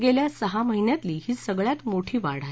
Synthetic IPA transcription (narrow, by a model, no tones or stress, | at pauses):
ɡeljasəɦaməɦinjat̪liːhiːsəɡɭjat̪moʈʰiːʋaɽ̤a